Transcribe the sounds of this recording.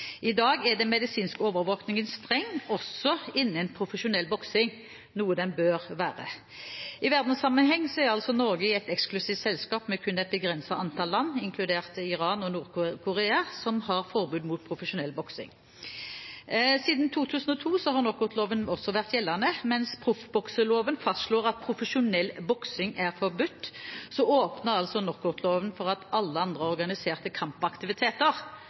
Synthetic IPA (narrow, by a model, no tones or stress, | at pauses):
ʔɪd̪ɑːɡɛd̪ɛmɛd̪ɪsiːnskoːʋəʁʋoːknɪŋənst̪ʁɛŋːɔsɔɪnːəɛnpʰʁʊfəʃʊnɛlbɔksɪŋ | nuːəd̪ɛnbøːʁʋæːʁə̰ | ɪʋæʁd̪n̩sɑmːənɦɛŋːsɔɛʁɑlsɔnɔʁɡəɪɛɪt̪ɛksklʉsiːʋt̪sɛlskɑːpmɛkʰʉnɛɪt̪̚bəɡʁɛnsɑʔɑnt̪ʰɑːllːɑnːɪŋkʰlʉd̪eːʁt̪ɪʁɑːnɔnuːʁkkʰʊʁeːɑsɔmhɑʁfɔʁbʉːd̪muːt̪̚pʰʁʊfəʃʊnɛlːbɔksɪ̰ŋ | siːd̪n̩t̪ʰuːt̪ʰʉːsn̩ɔt̪ʰuːsɔɦɑʁnɔkːʊʁt̪ʰloːʋənɔsːɔʋæʁt̪jɛlːɑnəmɛnspʰʁʊfbɔksəloːʋənfɑst̪ʂloːʁɑt̪̚pʰʁʊfəʃʊnɛlbɔksɪŋæʁfɔʁbʉt̪ːsɔoːpnəʁɑlsɔnɔʁkːʊʁt̪ʰloːʋənfɔʁɑt̪ɑlːəɑnd̪ʁəɔʁɡɑnɪseːʁt̪əkʰɑmpɑkt̪ɪʋɪt̪ʰeːt̪əʁ